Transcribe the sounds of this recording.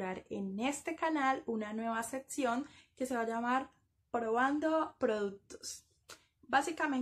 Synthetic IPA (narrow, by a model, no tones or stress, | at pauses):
ɾaɾe̞̰nest̪e̞kanalunanwe̞βase̞ksjo̞ŋke̞se̞βad͡ʒamaɾ | pɾo̞βand̪o̞pɾo̞ðuk̚t̪o̥s | basikame